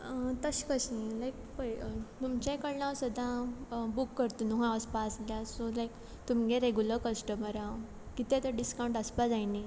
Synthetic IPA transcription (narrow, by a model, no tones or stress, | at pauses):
t̪əɕkəɕĩlajk̚pəjt̪umt͡ɕẽkəɽnawsud̪ʱãbukːəɾt̪unuɦãaspasljasolajk | t̪umɡẽɾeɡuləkəsʈəməɾa | kit̪ẽt̪əɖiskãw̃ɳʈəspad͡zajni